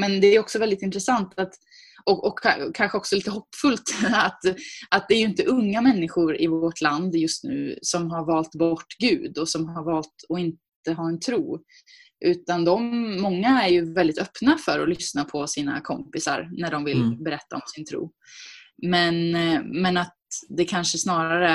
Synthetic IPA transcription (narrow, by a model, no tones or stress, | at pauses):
mɛnd̪ɛæɾjɔksɔvɛld̪ɪt̪ɪnt̪ɾɛsant̪at̪ | ɔʔɔkʰːakʰːanɧəɔksɔliːt̪əɦɔpːfɵlt̪at̪at̪̚d̪ɛæːjɵɪnt̪əʔɵŋːamɛnːɪɧʊɾɪvɔʈʰland̪jɵst̪nʉ̟̰ːsɔmɦaɾvɑːlt̪bɔʈːɡʉ̟ːd̪ɔsɔmɦaɾvɑːlt̪ɔɪnt̪ | əɦɑːɛnt̪ʰɾuː | ʔʉ̟ːt̪and̪ɔmːɔŋːaæɾjɵvɛld̪ɪt̪œpnafœɾɔlʏsnapʰɔsiːna̰kʰɔmpɪsa̰ɾnæɖɔmvɪlbɛɾɛt̪ːa̰ɔmsɪnt̪ʰɾṵː | mɛnmɛnat̪̚d̪ɛkʰanʂəsnɑːɾaɾə